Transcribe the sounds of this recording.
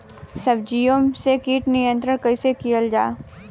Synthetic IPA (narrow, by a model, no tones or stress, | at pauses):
sɐbd͡ʒijõsekiːʈnɪjə̃nt̪ɾənkɐisekijəld͡ʒaː